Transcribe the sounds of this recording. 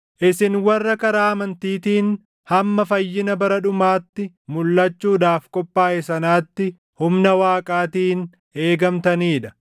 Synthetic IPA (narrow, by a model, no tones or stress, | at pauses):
ʔɪsɪnwɐrːɐkɐɾaːɐmɐnt̪iːt̪iːn | hɐmːɐfɐjːɪnɐbɐɾɐᶑʊmaːt̪ːɪ | mʊlːɐt͡ʃːuːd̪aːfkʼɔpʼːaːʔɛsɐnaːt̪ːɪ | hʊmnɐwaːkʼaːt̪iːn | e̞ːɡɐmt̪ɐniːᶑɐ̥